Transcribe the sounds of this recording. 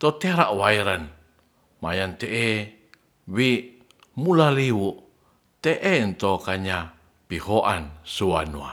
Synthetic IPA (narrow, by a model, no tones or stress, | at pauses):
t̪ot̪eɾaʔwaiɾan | majant̪eʔe | wi | mulaliwuʔ | t̪eʔent̪okaɲa | pihoʔansuwanua̰